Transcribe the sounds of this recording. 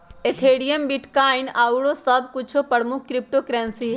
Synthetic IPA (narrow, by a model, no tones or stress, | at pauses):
et̪ʰeɽijəmbiʈkainauɽosəbkut͡ʃʰopəɽmuk̚ʰːɾip̚ʈokɾɛ̃nsi